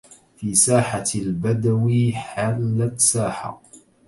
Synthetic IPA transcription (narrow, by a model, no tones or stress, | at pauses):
fiːsaːħalbad̪awiħalːat̪saːħa̰